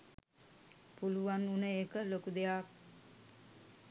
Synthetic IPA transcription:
puluʋanunəekəlokud̪ejak

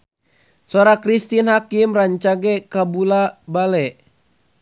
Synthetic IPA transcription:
sɔɾakɾist̪inhakimraɲt͡ʃaɡɛkabulabalɛʔ

